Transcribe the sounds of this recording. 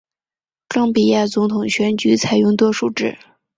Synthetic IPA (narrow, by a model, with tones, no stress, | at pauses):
kɑ˥˩ŋpi˨˩ja˥˩t͡sʊ˧˥ŋt̪ʰʊ˨˩ŋɕɥɛ˧˥nt͡ɕy˧˥t͡sʰa˨˩ɪjʊ˥˧ŋt̪wɔ˥ʂu˥˩ʈ͡ʂɻ̩˥˩